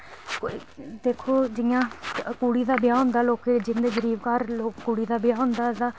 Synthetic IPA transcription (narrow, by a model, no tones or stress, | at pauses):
d̪eːkʰoːd͡ʒɪjãːkuːɽiːd̪aːbɪjaːɦʊnd̪aːloːked͡ʒɪnd̪eːɡəɾiːbkaːɾloːkːuːɽiːd̪aːbjaːɦʊnd̪aːd̪aː